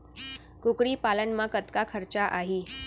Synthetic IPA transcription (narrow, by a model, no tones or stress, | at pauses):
kukɽiːpalənmakət̪kakʰəɾt͡ɕaʔaɦiː